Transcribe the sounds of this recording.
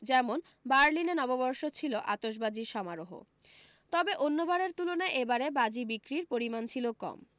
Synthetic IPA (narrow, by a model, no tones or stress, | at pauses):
d͡ʑɛmon | baɾlinenɔbobɔɾʃot͡ɕʰiloʔa̰t̪oʃ̬bad͡ʑiɾʃɔmaɾoɦo̰ | t̪ɔbeʔonːobaɾeɾt̪ulonaeʔebaɾebad͡ʑibikɾiɾpoɾimant͡ɕʰilokɔ̰m